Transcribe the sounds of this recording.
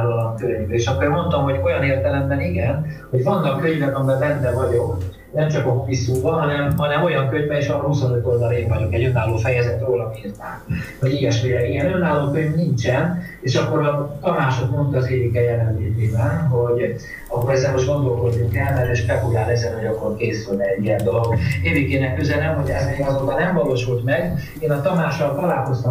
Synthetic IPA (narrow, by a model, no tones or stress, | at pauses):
ɒlɒŋkøɲbɛeːʃɒkːoɾmo̞nt̪omɦo̞ɟo̞jɒneːrt̪ɛlɛmbɛniɡɛnho̞ɟvɒnːɒkːøɲvɛkɒmiɛbɛnd̪ɛvɒɟo̞k | nɛmt͡ʃɒkompisuːbɒɦɒnɛmɦɒnɛmo̞jɒŋkøɲvɛeːʃʋɒnɦusonøt̪o̞ld̪ɒleːɱvɒɟo̞kɛɟønːaːlːoːfɛjɛzɛt̪roːlɒmiːrt̪aːnho̞ɟiːɛʃmeːɾɛkiɡɛnønːaːlːoːkøɲvnint͡ʃɛn | eːʃɒkːo̞ɾɒt̪ɒmaːʃot̪mo̞nt̪ːzeːvikɛjɛlɛnleːt̪eːbɛnɦo̞ɟ | ɒkːo̞ɾɛzɛnmo̞ʒɡo̞nd̪o̞lko̞d̪nuŋkɛlmɛɾeʃpɛkulaːlɛzɛnɦo̞ɟɒkːo̞rkeːsylnɛɛɟːiɛnd̪o̞loɡeːvikeːnɛkːøzɛlɛmho̞ɟɛzeːɡɒzoːt̪ɒnɛɱvɒloːʃult̪mɛɡ | eːnɒt̪ɒmaːʃɒlt̪ɒlaːlko̞st̪ɒ